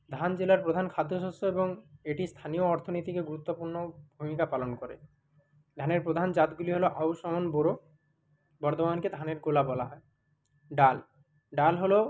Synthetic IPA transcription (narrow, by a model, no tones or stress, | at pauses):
d̪ʱand͡ʑelaɾpɾod̪ʱankʰad̪ʱːoʃosoeboŋeʈist̪ʰanioɔɾt̪ʰonot̪ikeɡuɾut̪ːopuɾnobʱumikapalonkɔɾḛ | d̪ʱaneɾpɾod̪ʱand͡ʑat̪ɡuliɦoloʔawʃɔmonboɾo | bɔɾt̪omanked̪ʱaneɾkolabɔlaɦɔe | ɖal | ɖalɦolo